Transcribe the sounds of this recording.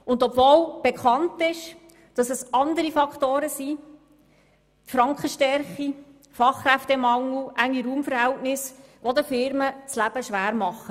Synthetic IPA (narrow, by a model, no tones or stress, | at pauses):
ʊndɔpvoːlb̥ekʰɑntɪʃ | d̥ɑsɛsɑndəɾifɑkχtoːɾəsiː | tfɾɑŋkəʃtɛɾχi | fɑχːɾæft̪ɛmɑŋːuʔæŋːiɾuːmfəɾhɛltnɪsʋod̪əfɪɾmət͡slæb̥əʃʋæːɾmɑχːə